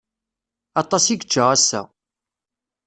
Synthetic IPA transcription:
ɑt̪ˤɑsiɡət͡ʃːəʁæsːæ̰

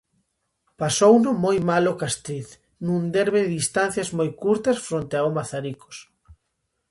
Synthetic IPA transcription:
pasownʊmojmalokast̪ɾiθ | nũnd̪eɾβeððist̪an̟θjɐzmojkuɾt̪ɐsfɾont̪eaomaθaɾiko̥s

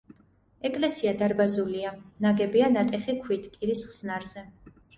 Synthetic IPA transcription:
ɛkʼlɛsiad̪aɾbazulianaɡɛbianat̪ʼɛχikʰwit̪ʰkʼiɾisχsnaɾz̥ɛ

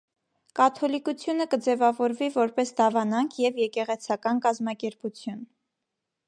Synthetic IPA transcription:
kɑt̪ʰɔlikut͡sʰjunəkəd͡zɛvɑvɔɾvivɔɾpɛsd̪ɑvɑnɑŋkʰjɛvjɛkɛʁɛt͡sʰɑkɑnkɑzmɑkɛɾput͡sʰjun

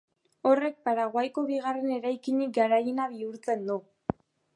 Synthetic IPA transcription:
o̞re̞k̚paɾaɣwajko̞βiɣare̞ne̞ɾajkiɲik̚ɡaɾajenaβiuɾt͡se̞nd̪u

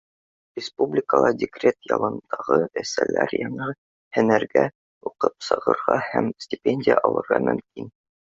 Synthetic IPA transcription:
rʲɪspublʲɪkəlˠɑdʲɪkrʲet̪jɑlˠɤnd̪̥ɑʁɤæsælæɾjɑɴɤ | hɘnæɾɡæ | uqɤpsɤ̆ʁɤ̆ɾʁɑhæmsʲtʲɪpʲenʲdʲɪjəʔɑlˠɤ̆ɾʁɑmɵ̆mkin

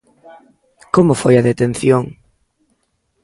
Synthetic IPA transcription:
komʊfojɐðet̪en̟θjoŋ

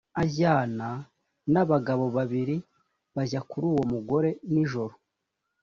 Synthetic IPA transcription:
aβjaːna | naβaɡaβo̞βaβiɾi | βaʒakuɾuːwo̞muɡo̞ɾe̞niʒo̞ɾo

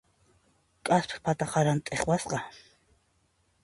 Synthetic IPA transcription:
kʼaspʰpat̪aqɑɾant̪ʼeχwasqɑ

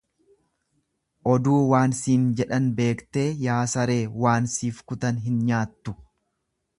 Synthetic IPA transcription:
ʔɔd̪uːwaːnsiːnd͡ʒɛᶑɐnbe̞ːkt̪e̞ːjaːsɐɾe̞ːwaːnsiːfkʊt̪ɐnɦɪnɲaːt̪ːʊ̥

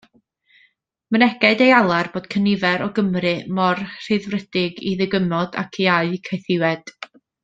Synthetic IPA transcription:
mənɛɡɛɨdejalˠarb̥oːd̥̚kʰənɪvɛɾɔɡəmrɨmɔrr̥ɨðvrɛd̥ɪɡḭðɨɡəmɔd̥a̰kʰiajkʰajθɪwɛd̥

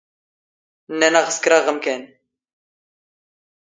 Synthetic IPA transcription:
nːænæʁəskɾaʁəmkæn

